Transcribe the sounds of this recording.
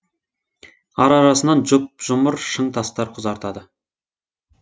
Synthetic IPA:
ɑɾɑɾɑsənɑnʒʊp̚ʒ̥ʊməɾʃəɴt̪ʰɑst̪ɑɾqʰʊzɑɾt̪ɑd̪ə

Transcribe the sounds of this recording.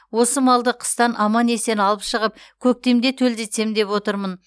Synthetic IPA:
wo̞səmɑlˠd̪əqʰə̥st̪ɑnʔɑmɑne̞se̞nɑlˠəpʃəʁəpkʲʰɵk̚t̪e̞md̪e̞t̪ʰɵld̪e̞t̪se̞md̪e̞pwo̞t̪əɾmən

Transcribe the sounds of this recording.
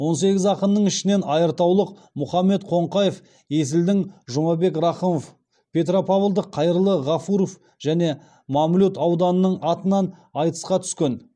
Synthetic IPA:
wo̞ns̬e̞ɡʲɪzɑqənnəɴɪʃɪne̞nɑjəɾt̪ɑwlˠəq | mʊχɑmːe̞t̪qʰo̞ɴqɑjef | je̞s̬ɪld̪ɪŋʒʊmɑbe̞krɑχəmof | pʲʰe̞t̪ɾopʰɑvəlˠd̪əqʰːɑjəɾəlˠəʁɑfuɾof | ʒ̥æne̞ | mɑmlʲut̪ɑwd̪ɑnənəɴɑt̪ənɑnɑjt̪ə̥sqɑt̪ʰʏ̥skʲe̞n

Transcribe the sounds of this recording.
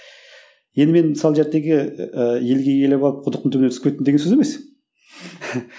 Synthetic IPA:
jend̪əme̞nməsɑlˠʒeɾt̪ːe̞ɡʲɪəje̞lɡʲejelebɑlˠəp̚qʰʊd̪əq̚t̪ənt̪ʰɵbneskpʲet̪ːɪnd̪eɡʲensøzeme̞s

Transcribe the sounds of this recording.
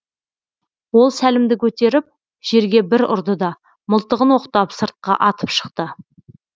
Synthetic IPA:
wo̞lˠsælɪmd̪ɪkʲʰɵt̪e̞ɾɪp̚ | ʒ̥e̞ɾɡʲe̞bɪɾʊ̰ɾd̪əd̪ɑ | mʊlˠt̪əʁənwo̞qt̪ɑpsəɾt̪̚qɑ̰ʔɑt̪əpʃə̥q̚t̪ə

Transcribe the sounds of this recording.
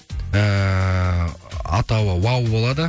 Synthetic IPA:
ə | ɑt̪ɑwəwɑwbo̞lˠɑd̪ə

